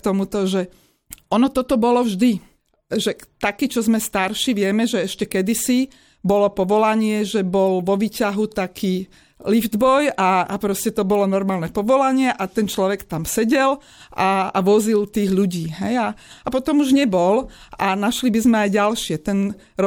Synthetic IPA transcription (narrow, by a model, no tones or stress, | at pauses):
t̪ɔmut̪ɔʒɛ | ʔɔnɔt̪ɔt̪ɔbɔlɔvʒd̪i | ʒɛt̪akiːt͡ʃɔzmɛst̪aɾʃiʋɪɛmɛʒɛɛʃcɛkɛd̪isi | bɔlɔpɔʋɔlaɲɪɛʒɛbɔlʋɔʋiːcaɦut̪akʰiː | livd̪bɔjaapɾɔscɛt̪ɔbɔlɔnɔɾmaːlnɛpɔʋɔlaɲɪɛʔat̪ɛnt͡ʃlɔʋɛkt̪amsɛɟɛl | ʔaa̰ʋɔzilt̪iːɣʎuɟiːɦɛjaapɔt̪ɔmuʒɲɛbɔlanaʃlibizmɛajɟalʃɪɛt̪ɛn | ɾɔ